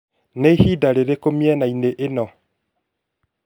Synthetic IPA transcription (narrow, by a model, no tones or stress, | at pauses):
nehidaɾeɾekomjɛnaineʔenɔ